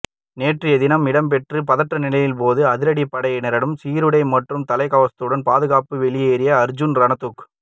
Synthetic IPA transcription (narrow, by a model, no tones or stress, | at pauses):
neːʈrɪjɐðɪnɐmɪɽɐmp̬ɛʈrɯpɐðɐʈrɐnɪlɐjɪlp̬oːðɯɐðɪɾɐɽipːɐɽɐjnɛɾɐɽɯmsiːɾɯɽɐɪmɐʈrɯmt̪ɐlɐɪkɐʋɐst̪ɯɽɐnpaːðɯɣaːpɯʋɛɭɪjeːɾɪjɐːɾd͡ʒʊnɾɐnɐt̪uk